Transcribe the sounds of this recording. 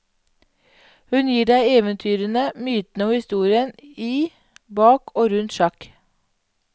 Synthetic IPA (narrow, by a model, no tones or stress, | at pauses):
hʉnjiːɖæɪeːʋənt̪ʰyːɾənəmyːt̪n̩əoːʋɪst̪uːɾɪəniː | bɑːkʰoːɾʉnt̪ʃɑk